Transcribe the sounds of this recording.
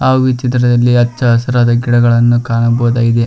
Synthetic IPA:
aːʋit͡ʃit̪ɾɐd̪ɐlːiɐt͡ʃːɐɦɐsɐɾaːd̪ɐɡiɽɐɡɐɭɐnːukaːɳɐboːd̪aːɡid̪e

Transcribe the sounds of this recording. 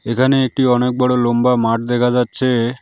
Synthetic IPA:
ekʰaneek̚ʈiɔnek̚bɔɽolombamaʈ̚d̪ɛkʰad͡ʑatːɕʰe

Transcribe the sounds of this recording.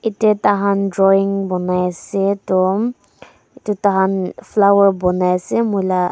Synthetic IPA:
itɛtaɦandɹɔiŋbɔnajasɛtɔm | itutaɦanflawɛɹbɔnajasɛmujla

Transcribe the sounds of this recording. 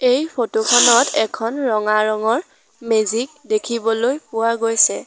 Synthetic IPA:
ejpʰotukʰɔnɔtɛkʰɔnɹɔŋaɹɔŋɔɹ | mezik̚dekʰibɔlojpʊwaɡojsɛ

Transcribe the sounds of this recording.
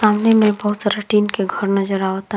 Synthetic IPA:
saːmnemẽbɐɦʊt̪saɾəʈiːnkeɡʱəɾnɐd͡ʒəɾat̪

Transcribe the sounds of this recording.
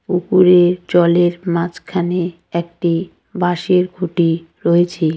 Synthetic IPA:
ukuɾeɾt͡ɕɔleɾmãd͡ʑkʰane | ɛkʈi | baʃeɾɡʱuʈiɾoet͡ɕʰe

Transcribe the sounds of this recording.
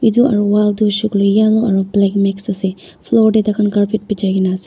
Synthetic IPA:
iduʔaɹuwalduʃɔklɔjjalɔaɹublɛkmɛksasɛpʰlɔɹdɛtakʰankaɹpʰit̚pid͡ʒajkinaːsɛ

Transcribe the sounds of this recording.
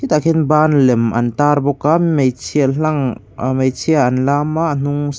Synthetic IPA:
hit̪akhinbanlɛmɐ̰nt̪aɾbɔkamejt͡sʰiaɬaŋ | mejt͡sʰiaːnlamaʔn̥uŋ

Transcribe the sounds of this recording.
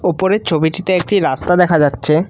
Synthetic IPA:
opoɾeɾt͡ɕʰobiʈit̪eek̚ʈiɾast̪ad̪ɛkʰad͡ʑatːɕʰe

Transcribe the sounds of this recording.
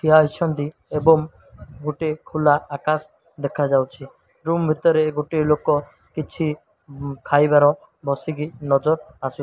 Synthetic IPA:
kiɦaɦjt͡ʃʰɔnd̪i | ebɔŋ | ɡoʈekʰulaːkas | d̪ekʰad͡ʒawt͡ʃʰi | ɾumbʱit̪ɔɾeɡoʈelokɔ | kit͡ʃʰi | kʰajbaɾɔ̃ | bɔsiɡinɔd͡ʒɔɾ | asu

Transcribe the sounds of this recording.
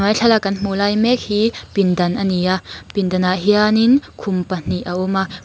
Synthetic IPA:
ɔjɬʰɐlakɐnm̥ulajmɛk̚hiːpindɐnʔaniapindɐnaʔɦianinkʰʊmpɐn̥iʔaʔɔma

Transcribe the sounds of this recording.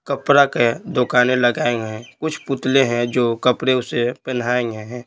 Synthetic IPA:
kəpɾaked̪ʊkaːneləɡaːeŋɡɛ̃kʊt͡ʃʰpʊt̪leɦɛ̃d͡ʒoːkəpɽeʊsepənaːeŋɡeɦɛ̃

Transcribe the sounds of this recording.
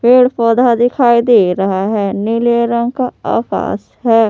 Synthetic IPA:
peːɽpɔːd̪ad̪ɪkʰaːid̪eːɾɐɦaɦɛːnɪleɾə̃ŋɡkaa̰ːka̰ːs | ɦɛː

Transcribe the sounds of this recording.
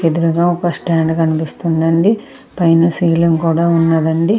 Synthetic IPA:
ed̪uɾuɡaːɔkɐsʈaːɳɖkɐnipist̪und̪ɐɳɖi | pɐjnusiːlumkuːɽaːunːɐd̪ɐɳɖi

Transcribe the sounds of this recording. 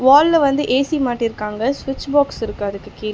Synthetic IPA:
ʋaːllɐʋɐnd̪ɯʔeːsimaːʈːɪɾɯkːaːŋɡɐsʋɪt͡ʃːbaːksɪɾɯkːɐɐðɯkːɯkiːl

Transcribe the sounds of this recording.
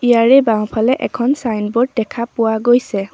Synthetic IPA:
ijaɹɛbaw̃pʰalɛʔɛ̰kʰɔnsajnbɔd̚dɛkʰapʊwaɡojsɛ

